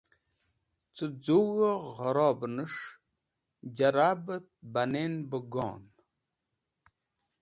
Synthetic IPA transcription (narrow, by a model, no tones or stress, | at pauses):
t͡səd͡zuwəʁəɾoːbnəʂ | d͡ʑaɾaːbət̪̚banenbəɡɔ̰ːn